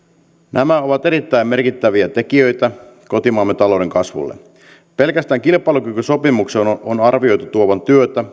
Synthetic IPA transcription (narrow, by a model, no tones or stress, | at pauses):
nʔæmæo̞ʋɑt̪e̞ɾit̪ːæjmme̞rkit̪ːæʋiæt̪e̞kiø̞jt̪æko̞t̪imɑːmːet̪ɑlo̞wde̞ŋkɑsʋṵlːḛ | pe̞lkæst̪æːŋkilpˑɑˑilukykyso̞pimuksenonɑrʋio̞jt̪ut̪uoʋɑnt̪yøt̪æ